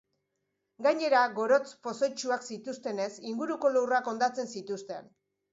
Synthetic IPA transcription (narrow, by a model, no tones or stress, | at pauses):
ɡajɲe̞ɾaɡo̞ɾo̞t͡spo̞so̞jt͡ʃuaksit̪ust̪e̞ne̞siŋɡuɾuko̞luwrako̞nd̪at͡se̞nsit̪ust̪e̞̰n